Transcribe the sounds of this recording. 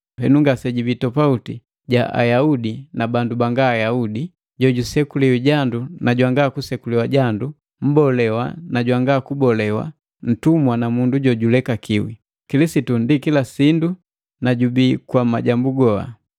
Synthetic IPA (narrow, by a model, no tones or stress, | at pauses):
hɛ̰nuŋɡasɛɟibitɔpauti | ɟaʔa̰jaudinabandubaŋɡaːjaudi | ɟɔɟusɛkuliwiɟandunaɟwaŋɡakusɛkuliwaɟandu | m̩bɔlɛwa̰naɟwaŋɡakubɔlɛwa̰ | n̩tumwanamunduɟɔɟulɛkakiwḭ | kilisitundikilasindu | naɟubikwama̰ɟambuɡɔa̰